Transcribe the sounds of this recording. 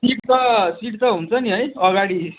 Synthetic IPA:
siʈ̚t̪ʌsiʈt̪ʌɦunt͡sʰʌniɦʌjʌɡaɽi

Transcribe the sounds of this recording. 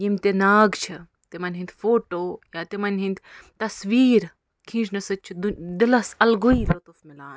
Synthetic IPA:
jimt̪enaːɡt͡ʃʰi | t̪emɐnʲɦint̪ʲfoːʈoːjaːt̪emɐnʲɦint̪ʰʲt̪ɐsʋiːɾ | kʰĩːd͡ʒnɐsɐt͡ʃʰid̪ud̪ilɐsɐlɡoiːlot̪ofmɪlaːn

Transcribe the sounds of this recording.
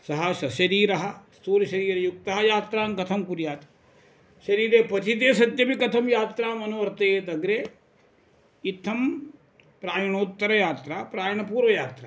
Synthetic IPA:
sɐɦɐʃɐʃɐɾiːɾɐɦɐ̆st̪uːɾʃɐɾiːɾɐjuk̚t̪ɐɦɐjaːt̪ɾaːnkɐt̪ʰɐmkuɾjaːt̪a | ʃɐɾiːɾeːpɐt͡ʃit̪̬eːsɐt̪jɐbikɐt̪ʰɐmjaːt̪ɾaːmɐnoːɐɾt̪et̪ɐɡɾeː | it̪ʰːɐm | pɾaːjɐɳɐut̪ːɐɾɐjaːt̪ɾaːpɾaːjɐɳ̃ɐpuːɾʋɐjaːt̪ɾaː

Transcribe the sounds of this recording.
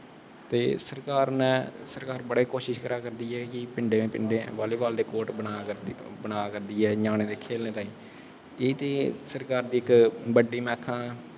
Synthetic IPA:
t̪eːsəɾkaːɾnɛːsəɾkaːɾbəɽeːkoːʃɪʃkəɾaːkəɾd̪iːɛːkɪpɪɳɖeːẽːpɪ̰ɳɖeːʋaːliːbaːld̪eːkoːɾʈənaːəbənaːkəɾd̪iːɛːd͡ʒaːɽ̃eːd̪eːkʰeːlnẽːt̪aːĩː | et̪eːsəɾkaːɾd̪iːɪkbəɖiːmɛ̃ːkʰãː

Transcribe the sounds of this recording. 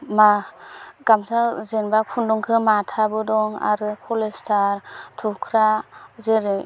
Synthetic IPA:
ma | ɡ̥amsazenbakʰundɔŋkʰɯmatʰabɯdɔŋa̰ɾɯkʰɔlestʰaɾtʰukʰɾazeɾi

